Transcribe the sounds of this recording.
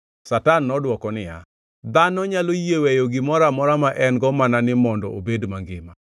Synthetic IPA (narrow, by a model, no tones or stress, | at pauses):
satanːɔdwɔkɔnɪja̰ | d̪anɔɲalojewejoɡɪmɔɾamɔɾamaʔɛnɡɔmananɪmɔndɔobedmaŋɡɪma